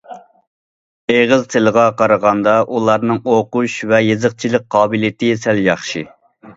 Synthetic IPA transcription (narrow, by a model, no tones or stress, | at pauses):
eʁəzt̪ʰɪlˠəʁɑqʰɑɾəʁɑnd̪ɑʔulˠɑɾnɨŋoquʃvɛjezəqt͡ʃʰilɪk̚ʲqʰɑːbɨlɪt̪ʰɪsɛljɑχʃi